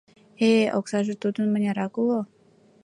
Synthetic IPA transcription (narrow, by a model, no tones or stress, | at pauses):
eoksɑʒet̪ud̪ənmə̆nʲaɾɑkulo